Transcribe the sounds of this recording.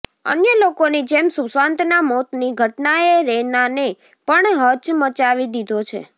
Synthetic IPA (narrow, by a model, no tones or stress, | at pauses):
ə̰njəlokonid͡ʒemsusãnt̪namɔt̪niɡʱəʈnaeɾenane | pəɳɦət͡ʃmət͡ʃaʋid̪id̪ʱot͡ʃʰḛ